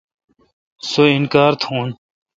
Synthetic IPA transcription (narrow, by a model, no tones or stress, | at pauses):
soɪnkaːɾt̪ʰhoːn